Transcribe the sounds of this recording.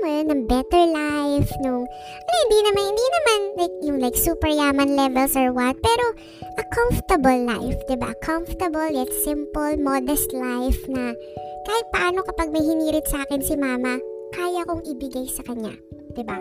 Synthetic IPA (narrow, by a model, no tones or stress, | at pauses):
mɛnɐŋbɛt̪ɛɹlajfnʊŋ | ɐjahɪnd̪inɐmanhɪnd̪inɐmanlajk̚jʊŋlajksuːpɛɹjaːmɐnlɛvɛlsɐɹwɐt̪̚pɛːɾo̞ | ʔɐkʰaɱft̪ɐbɐlːa̰jfd̪ɪba̰kʰãɱft̪ɐbɐljɛt̪sɪ̃mpolmod̪ɛst̪lajfnɐ | kaːhɪt̪̚pɐʔaːno̞kɐpɐɡ̚mɐjhɪniːɾɪt̪sɐʔaːkɪnsɪmaːmɐkaːjɐkoŋʔɪbɪɡajsɐkɐɲa̰ | d̪̥ɪba